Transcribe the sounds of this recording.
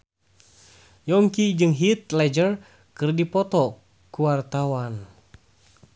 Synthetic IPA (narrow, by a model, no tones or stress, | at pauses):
jɔŋkid͡ʒɨŋɦit̪lɛd͡ʒər | kɨrdipɔt̪ɔ | kuwart̪awan